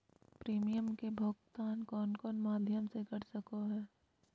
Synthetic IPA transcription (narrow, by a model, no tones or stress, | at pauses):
pɾiːmijəmkebʱoɡt̪aːnkɔːnkɔːnmaːd̪ʱjəmsekɐɾsɐkoɦɛː